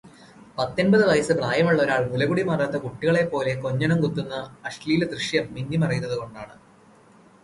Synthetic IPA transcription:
pɐt̪ːenbɐðɨʋɐjɐsɨbraːjɐmuɭːɐoɾaːɭmulɐɡuɽimɐrɐt̪ːɐkuʈːiɣɐɭe̞pːo̞ːle̞ko̞ɲːɐɳɐmkut̪ːunːɐɐʂliːld̪riʂjɐmːiɲːimɐrɐjunːɐðɨko̞ɳɖaːɳɨ

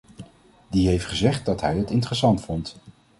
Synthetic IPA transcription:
diɦejftχəzɛχt̚dɑtɦɛjɦətɪntərəsɑntfɔnt

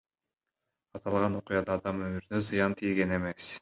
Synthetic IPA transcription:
ɑt̪ʰɑlˠʁɑno̞qujɑd̪ɑːd̪ɑmømyɾynøzɨjɑnt̪ʰijɡe̞ne̞me̞s

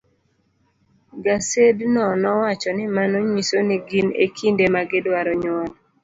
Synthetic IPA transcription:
ɡasednɔnɔwat͡ʃɔnɪmanoɲisoniɡinḛkʰindemaɡɪdwaɾɔɲwɔl

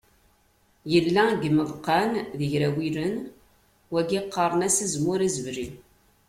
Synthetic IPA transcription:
jəlːæɡməðˤqːɑnðəʝɾæwiɾən | wæɡiqːəɾˤənæsizmʊɾæzəvɾin

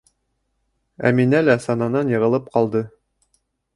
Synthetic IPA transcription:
æ̰minælæsɑnɑnɑnjɤ̆ʁɤ̆lˠɤp̚qɑlˠd̪ɤ

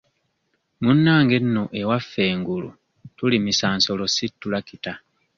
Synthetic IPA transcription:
munːaːŋɡe̞nːoʔe̞wafːe̞ːŋɡulṵ | tulimisaːnso̞lo̞sitːulakita

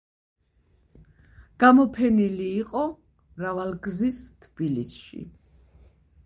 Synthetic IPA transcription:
ɡ̥amɔpʰɛniliːqʼɔ | ɾavalɡzist̪ʰb̥ilisʃḭ

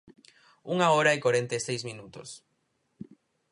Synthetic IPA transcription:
uŋaoɾaekwaɾẽnt̪ejsejsmĩnut̪o̰s

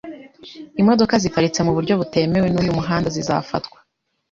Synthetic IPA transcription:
imo̞do̞kazikaɾit͡se̞muβuɾɟo̞βute̞me̞we̞nujumuɦaːndaziza̰ːfa̰tkwḁ

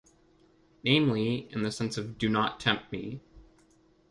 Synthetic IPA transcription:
nẽɪ̃mliɨ̃nðɨsɛ̃nsʌvdɨnətʰɛ̃mp̚t̚mḭ

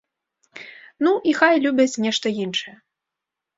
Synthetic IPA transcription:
nuʔixajlʲubʲɐt͡sʲnʲɛʂt̪ɐjinʂɨjɛ

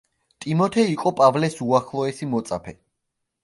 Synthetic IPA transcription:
t̪ʼimɔt̪ʰɛiqʼɔpʼavlɛsuaχlˠɔɛsimɔt̪sʼa̰pʰɛ

